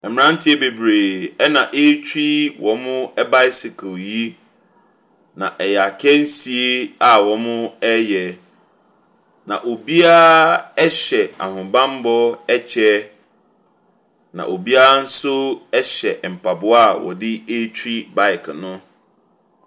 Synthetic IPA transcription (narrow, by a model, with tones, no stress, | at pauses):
ɛ˨m˨ɾã˦n̩˦tʰɪ˦ɛ˦be˨bɾe˨ɛ˦nã˨ʔe˦t͡ɕʰᶣi˦wʔɔ˨mʊ̃˦ɛ˦ba˦jɪ˦si˨kʰo˨ji˦ | nã̰˨ʔɛ˨ja˨kʰɛ̃˦n̩˦si˨e˦a˨wɔ˨mʊ̃˦ɛ˦jɛ˨ | nã̰˨ʔo˨bi˦a˦ɛ˦ɕɛ˨a̰˨hʊ̃˨bã˦m˦bɔ˦ɛ˦t͡ɕʰɛ˦ | nã̰˨ʔo˨bi˦a˦n̩˦sʊ˦ɛ˦ɕɛ˨m̩˨pʰa˨bʊ˦a˦˨wɔ̰˨dɪ˦e˦tʰᶣɾi˦ba˨ɪ˨kʰnʊ̃˦